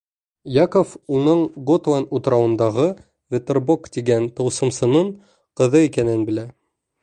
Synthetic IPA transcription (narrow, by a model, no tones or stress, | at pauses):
jɑkofunɤɴɡot̪lanut̪ɾɑwɤ̆nd̪ɑʁɤ | vʲet̪erbokt̪iɡænt̪ɤ̆wsɤ̆msɤ̆nɤɴ | qɤ̆ðɤikænɘnbɘ̆læ